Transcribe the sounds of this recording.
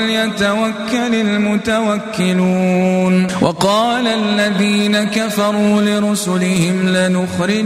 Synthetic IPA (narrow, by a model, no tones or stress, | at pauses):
ljat̪awakːalɪlmʊt̪awakːɪluːnwʔɑqɑːlalːaðiːnakafɑɾˤuːlɪɾʊsʊlɪhɪmlɪnʊxɾɪ